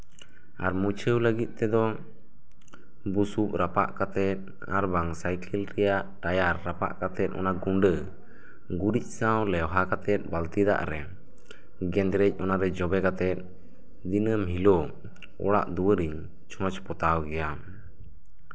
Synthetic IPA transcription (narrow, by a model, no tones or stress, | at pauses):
aɾmut͡ʃʰəwləɡit̪̚ˀt̪ɛd̪ɔ | busup̚ɾapa̰ʔkat̪ɛt̪̚ | a̰ɾbaŋsajkɛlɾɛjaʔʈajaɾːapa̰ʔkat̪ɛt̪̚ˀɔ̰naɡuɳɖə | ɡuɾic̚sawlɛwɦakat̪ɛt̪̚ˀbalt̪id̪a̰ʔɾɛ | ɡɛ̃nd̪ɾɛc̚ˀɔnaɾɛd͡ʒɔbɛkat̪ɛt̪̚ | d̪inəmɦilɔ | ɔ̰ɽa̰ʔd̪uwəɾiɲ | t͡ʃʰɔ̃t͡ʃpɔt̪awɡɛja